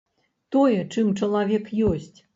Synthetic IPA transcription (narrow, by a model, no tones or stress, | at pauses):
t̪ɔjɛt͡ʂɨmt͡ʂɐlˠavʲɛkjɔsʲt͡sʲ